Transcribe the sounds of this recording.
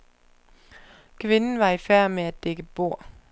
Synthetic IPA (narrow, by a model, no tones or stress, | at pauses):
kʰʋenn̩ʋɑ̈ifæɐ̰meædd̥eɡ̥əb̥o̝̰ɐ̰